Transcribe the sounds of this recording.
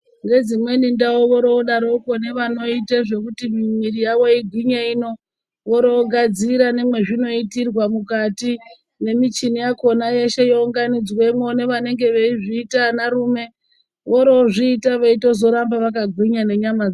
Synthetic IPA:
ŋɡe̞d͡zimwe̞nindawoʋo̞ɾoɗaɾokone̞ʋano̞iteʐe̞kutimimirijaʋo̞iɡʱwiɲeino̞ | ʋoɾo̞ːɡʱad͡ziɾane̞mwe̞ʐino̞itirwamukati | ne̞mit͡ʃinijako̞naje̞ʃe̞jouŋɡanid͡zwe̞mwo̞ne̞ʋane̞ŋɡe̞ʋeiʐiːtanaɾuːme̞ | ʋoɾoʐiːtaʋeito̞zo̞ɾambaʋakaɡʱwiɲane̞ɲamad͡za

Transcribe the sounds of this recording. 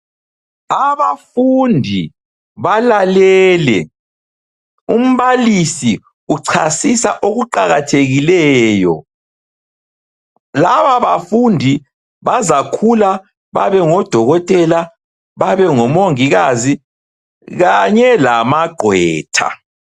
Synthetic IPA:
aβafundʱi | βalalɛːlɛ̰ | um̩βalisi | uǀʰasisa̰ʔoɣuǃaɣatʰeɣilɛːjɔ̰ | laβaβafundʱi | βazakʰula | βaβɛŋɔd̥ʱɔɣɔtʼɛla | βaβɛŋɔmoŋiɣazi | ɣaɲɛlamaɡ͡ǃʱwɛ̰ːtʰa̰

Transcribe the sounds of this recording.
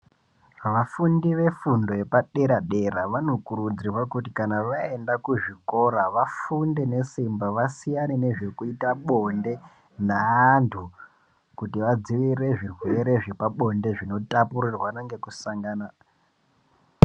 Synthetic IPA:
ʋafundiʋe̞fundo̞je̞paɗe̞ɾaɗe̞ɾaʋano̞kuɾud͡zirwakutikanaʋaendakuʐiko̞ɾaʋafunde̞ne̞simbaʋasijanene̞ʐe̞kuitaɓo̞nde̞ | naːntʰu | kutiʋad͡ziʋire̞ʐirwe̞ɾe̞ʐe̞paɓo̞nde̞ʐino̞tapurirwanaŋɡe̞kusaŋɡaːna

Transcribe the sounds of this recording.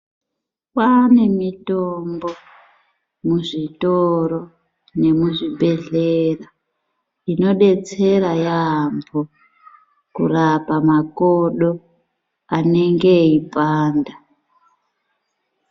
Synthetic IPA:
wane̞mitombo̞ | muʐitoɾo | ne̞muʐiɓʱe̞ɮera | ino̞ɗe̞t͡se̞ɾajambo | kṵrapamakoɗo | ane̞ŋɡe̞ipaːnda

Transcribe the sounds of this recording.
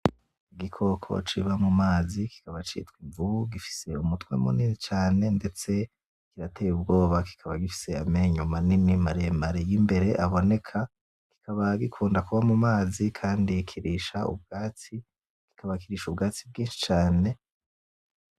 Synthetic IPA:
iɡikʰo̞kʰo̞̰t͡ʃiβamumaːziki̥kaβat͡ʃḭtwiɱvuɡifi̥se̞umutwḛmṵninit͡ʃaːne̞nde̞t͡se̞ | kiɾatejubɡo̞ːβaki̥kʰaβaɡifi̥se̞ame̞ɲumaninimaɾemaɾejimbe̞ɾe̞ʔaβo̞ne̞kʰa | ki̥kʰaβaɡikʰuːndakuβamumaːzikʰaːndikʰiɾiʃaṵb̚ɡaːt͡si | ki̥kʰaβakiɾiʃubɡaːt͡sib̚ɡiːnʃi̥t͡ʃaːne̞

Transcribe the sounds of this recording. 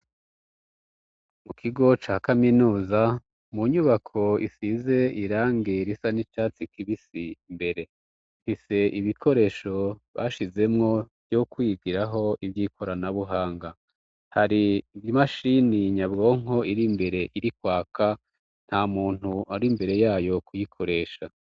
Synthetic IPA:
mukʰiɡo̞t͡ʃaːkaminuːza | muɲuβakʰo̞ḭsize̞ʔiɾaːŋɡe̞ɾisanit͡ʃaːt͡sikiβisimbe̞ɾe̞ | fise̞ʔiβikʰo̞ɾe̞ːʃo̞βa̰ːʃize̞mŋo̞vjokwibɡiɾaɦo̞ivjiːkʰo̞ɾanaβuɦaːŋɡa | haɾiːvjimaʃiniɲabɡo̞ːŋ̥o̞iɾimbe̞ɾe̞ʔiɾikwaːka | n̥hamuːn̥huaɾimbe̞ɾe̞jaːjo̞kujikʰo̞ɾe̞ːʃa

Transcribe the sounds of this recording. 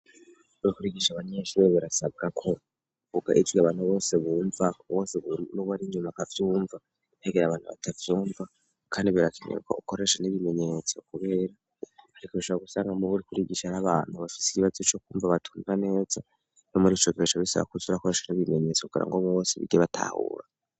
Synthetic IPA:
βuɾikuɾiɡiʃaβaɲeʃiβeβiɾasab̚ɡakʰo̞ | uvuɡa̰ʔid͡ʒɡiaβaːn̥huβo̞ːseβuːɱvaβo̞ːseβunoβaɾiɲumakavjuːɱva | neɡeɾaβaːn̥hṵβa̰tʰavjuːɱva | kʰaːndiβiɾakʰeɲḛɾuka̰ukoɾe̞ʃaniβime̞ɲe̞t͡so̞kuβe̞ːɾa | aɾikuβiʃoβaɡusaːŋɡamuβuɾikuɾiɡiʃanaβaːn̥huβafi̥si̥kiβazot͡ʃokuːɱvaβatʰu̥ːɱvane̞ːza | nomuɾiːt͡ʃokieʃoβisaβa̰kuzuɾakoɾe̞ʃaniβime̞ɲe̞t͡sokuɡḭɾa̰ŋɡoβuβo̞ːseβḭɡeβatʰa̰hṵːɾa̰

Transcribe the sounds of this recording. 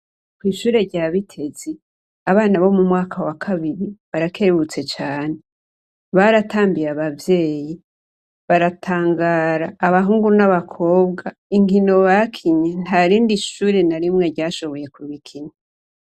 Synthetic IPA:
kwiːʃuːɾe̞ɾɟaːβitʰe̞z̥e | aβaːnaβo̞mumŋaːkʰawakʰaβiɾiβaɾakʰe̞βut͡se̞t͡ʃaːne̞ | βaɾataːmbijaβavje̞ːji | βaɾatʰaːŋɡaːɾaːβaɦuːŋɡunaβakʰo̞ːbɡaiŋɡino̞βakʰiɲen̥aɾiːndiʃuːɾenaɾimŋe̞ɾɟaːʃo̞βo̞je̞kuβikʰiɲa

